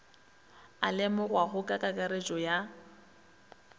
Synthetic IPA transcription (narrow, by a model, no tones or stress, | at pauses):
a̰lɪmʊrwaɦʊkʼakʼakʼaɾet͡ʃʼɔja